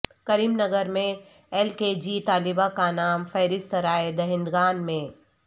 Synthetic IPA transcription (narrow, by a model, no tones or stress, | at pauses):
kɐɾiːmnɐɡəɾmẽ | ɛlked͡ʒiːt̪aːlɪbakanaːmfɐːɾɪst̪əɾaːed̪ɐɦɪ̃nd̪ɡaːnmẽː